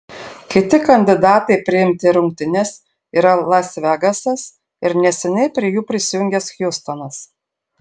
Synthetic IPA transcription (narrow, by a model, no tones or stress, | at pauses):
kʲɪt̪ʲɪkɐnʲd̪ʲɪd̪ɑːt̪ɐɪpʲɾʲɪɪmʲt̪ʲɪɾʊŋʲk̚t̪ʲɪnʲɛs | iːɾɐlˠɐsʲʋʲæɡɐsɐs | ɪɾnʲɛsʲɛnʲɛɪpʲɾʲiɪjuːpʲɾʲɪsʲɪjʊŋʲɡʲɛsxʲjʊst̪ɐnɐs